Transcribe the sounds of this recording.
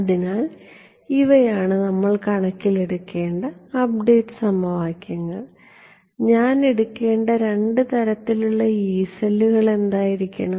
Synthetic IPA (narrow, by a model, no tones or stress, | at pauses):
ɐðinaːl | iʋɐjaːɳɨnɐmːɐɭkɐɳɐkʲːileɽukːe̞ːɳɖɐɐb̚ɖeːʈːɨ̥sɐmɐʋaːkʲːɐŋːɐɭ | ɲaːneɽukːe̞ːɳɖɐɾe̞ɳɖɨt̪ɐɾɐt̪ːiluɭːɐiːsɐlːuɣɐɭe̞nd̪aːjiɾikʲːɐɳɐm